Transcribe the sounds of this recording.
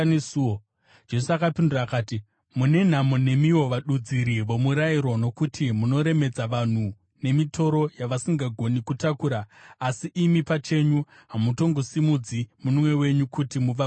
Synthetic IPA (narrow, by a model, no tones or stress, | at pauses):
nesu | d͡ʒe̞suakapinduraːkaːti | mune̞n̤amune̞miwo̞ʋaɗud͡ziɾiʋo̞muɾaiɾo̞no̞kutimuno̞ɾe̞me̞d͡zaʋan̤u | ne̞mitʰo̞ɾo̞jaʋasiŋɡaɡʱo̞nikutakuːɾaːsiʔimipat͡ʃe̞ɲuɦamuto̞ŋɡosimud͡zimunumwe̞we̞ɲukutimuʋa